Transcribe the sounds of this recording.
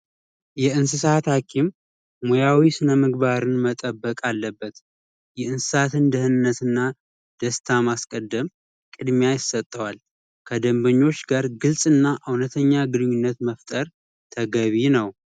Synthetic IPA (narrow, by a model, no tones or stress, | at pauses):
jɛɨnsɨsat̪hakʰim | mojawisɨnəmɨɡbaɾɨnmət̪ʼəbːəkʼalːəbːət̪ | jɛɨnsɨsat̪ʰɨnd̪əhɨnɨnːət̪ɨnːa | d̪̥əst̪ʰamaskʼəd̪ːəm | kʼɨd̪mjajɪsət̪ʼːəwal | kʰəd̪əmbəɲːo̞t͡ʃːɡaɾɡɨlsʼɨnːaʔɨwnət̪ʰəɲːaɡɨdɨɲːunːət̪məft̪ʼəɾ | t̪ʰəɡəβinəw